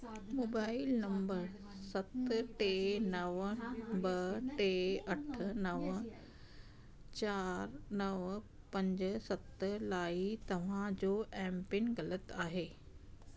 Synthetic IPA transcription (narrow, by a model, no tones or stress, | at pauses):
moːbaːɪlnɐ̃mbəɾ | sɐt̪ʈeːnɐʋbɐʈeːɐʈʰə̆nɐʋ | t͡ɕaːɾnɐʋ | pɐ̃ɲd͡ʑsɐt̪laːit̪ɐʋ̤ãd͡ʑoːʔɛ̃ːmpɪnɣɐlət̪aːɦeː